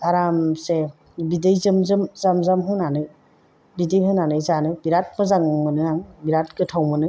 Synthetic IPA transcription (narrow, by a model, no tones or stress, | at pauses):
aɾamse | bidɯjzɯmzɯmzamzamɦɯnanɯ | bidɯjɦɯnanɯjzanɯbiɾat̚mɯzaŋmɯnɯaŋbiɾat̚kɯtʰawmɯnɯ